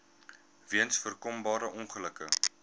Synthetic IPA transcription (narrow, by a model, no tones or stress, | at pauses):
viənsfərkɔmbɑːɾəʔɔnχələkə̰